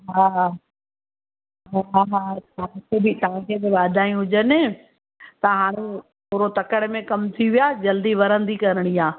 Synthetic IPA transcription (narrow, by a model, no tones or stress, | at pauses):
ɦaː | ɦɦaɦat̪ɐãkʰebɪt̪ɐʋãkʰeːbɪbaːd̪ʱaːĩɦʊd͡ʑənɪ | t̪ɐɦaːɽ̃e | pʊːɾot̪ɐkəɽmẽkɐmt̪ʰiʋijaːd͡ʑɐld̪iʋɐɾə̃nd̪ikɐɾɪɽ̃iaː